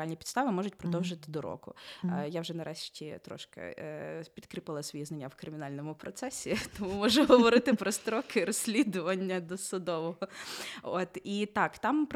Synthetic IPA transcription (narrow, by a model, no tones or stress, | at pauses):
alʲnʲipʲid̪st̪ɑʋɪmɔʒʊt̚ʲpɾɔd̪ɔwʒɐt̪ɪd̪ɔɾɔ̰kʊ̰jawʒɛnɐɾʔɛʃtʲit̪ɾɔ̰ʃkɐ̰pʲid̪kɾɪpɪlˠɐsʋɔjiznɐnʲːawkɾɪmʲɪnalʲnɔmʊpɾɔt̪sɛsʲit̪ɔmumɔʒʊɦɔʋɔɾɪt̪ɪpɾɔst̪ɾɔkɪɾɔsʲlʲid̪ʊʋɐnʲːɐd̪ɔsʊd̪ɔʋɔɦɔot̪it̪ɑkt̪ɑmp